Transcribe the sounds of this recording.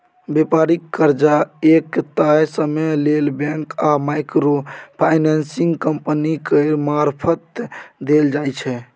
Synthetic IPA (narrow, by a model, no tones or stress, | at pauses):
bepaɾikːəɾd͡ʒaekt̪ajsəmelelbɛ̃ŋkamajkɾopʰajnɛnsiŋɡkəmpənikəɾmaɾpʰət̪d̪eld͡ʒajt͡ʃʰɛ